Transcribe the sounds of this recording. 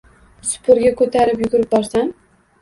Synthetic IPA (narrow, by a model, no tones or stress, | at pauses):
sʊ̥pʰʊɾɡʲakʰɵt̪ʰaɾɪpjʊɡʊɾɪp̚bɒɾsan